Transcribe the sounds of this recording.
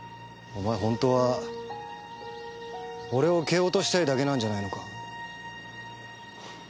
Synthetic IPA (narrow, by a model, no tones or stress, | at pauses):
omaeɦõ̞nt̪o̞βa | o̞ɾe̞o̞ke̞ːo̞t̪o̞ɕi̥t̪aid̪ake̞nãɲ̟d͡ʑanaino̞ka